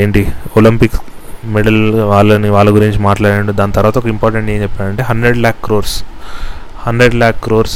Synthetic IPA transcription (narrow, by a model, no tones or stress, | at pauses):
eːɳʈiolimpiks | meɽɐlʋaːɭːɐniʋaːɭːɐɡuɾiɲt͡ʃimaːʈlaːɽaːɳɖod̪aːnit̪ɐɾuʋaːt̪ɐɔkɐimpɔːɾʈeɳʈeːt͡ʃɛpːaːɽɐɳʈeːɦɐɳɖɾeɖlaːkːɾoːɾs | hɐnɖɾeɖlaːkːɾoːɾs